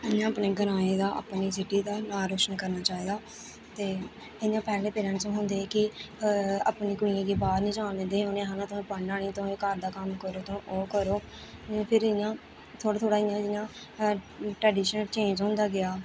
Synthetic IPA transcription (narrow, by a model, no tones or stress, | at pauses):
ɪjãːəpneːɡəɾaːeːd̪aːʔə̰ːpniːsɪʈːiːd̪aːnaːɾoːt͡ʃnkəɾnaːt͡ʃaːiːd̪aː | t̪eː | ɪjãːpɛːlẽːpeːɾə̃ːnʈsõːɦʊ̃nd̪eːkɪ | apniːkʊĩẽːkeːbaːɾnĩːd͡ʒãːnlẽnd̪eːɦõːnẽɦaːnãːt̪ːpəɳɖaːɽ̃ĩːt̪õːkəɾd̪aːkəmkəɾoːt̪õːʔoːkəɾoː | pʰɪɾɪjãː | t̪ʰoːɾaːt̪ʰoːɽaːɪjãːɪjãː | ʈɾɛːɖiːʃənəlt͡ʃẽːnd͡ʒɦʊ̃ːnd̪aːɡɪaː